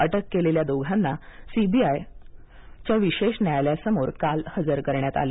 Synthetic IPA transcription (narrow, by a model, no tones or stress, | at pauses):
əʈəkːeleljad̪oɡʱanːasibiaj | t͡ɕjaʋiɕeɕnjajljasəmoɾkalhəd͡zəɾkəɾɳjat̪a̰le